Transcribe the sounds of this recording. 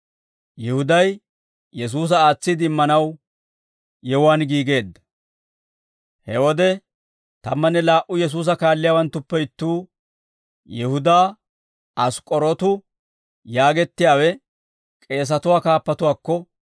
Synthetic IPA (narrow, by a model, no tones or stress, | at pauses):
jɛhʊd̪ɐj | jɛs̬uːs̬ɐaːt͡sːɪd̪ɪɪmːɐnɐw | jɛwʊaːnɡiːɡe̞ːd̪ːɐ̥ | hɛwɔd̪ɛ | t̪ɐmːɐnːɛlaːʔʊjɛs̬uːs̬ɐkaːlːɪjaːwɐnt̪ːʊpːɛɪt̪ːuː | jɛhʊd̪aː | ɐskʼɔɾɔt̪ʊ | jaːɡɛt̪ːɪjaːwɛ | kʼe̞ːs̬ɐt̪ʊwaːkaːpːɐt̪ʊwaːkːɔ